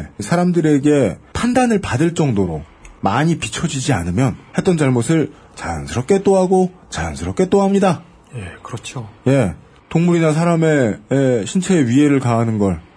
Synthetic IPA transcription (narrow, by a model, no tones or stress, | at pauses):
sʰaɾamdɯɾe̞ɡe̞pʰandanɯɭpadɯɭt͡ɕ͈ʌŋdoɾo̰ | maɲipit͡ɕʰʌd͡ʑid͡ʑianɯmjʌnhe̞t̚t͈ʌnd͡ʑaɭmosʰɯɭ | t͡ɕajʌ̰nsʰɯɾʌp̚k͈e̞t͈oɦaɡot͡ɕaja̰nsʰɯɾʌp̚k͈e̞t͈oɦamɲida | ekɯɾʌt͡ɕʰoje̞ | toŋmuɾinas̬ʰaɾame̞jeɕʰint͡ɕʰeːɥiɦe̞ɾɯɭkaɦːnɯnɡʌɭ